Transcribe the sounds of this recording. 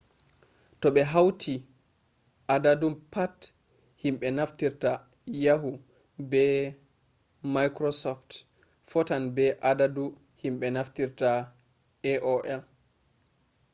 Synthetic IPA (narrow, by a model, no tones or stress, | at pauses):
tɔɓɛɦawtʰi | ʔadadumpat | himɓɛnaftiɾta | jaɦu | bɛ | majkɾɔsɔft | fɔtanbɛʔadadu | himɓɛnaftiɾta | ɛʔɔʔɛl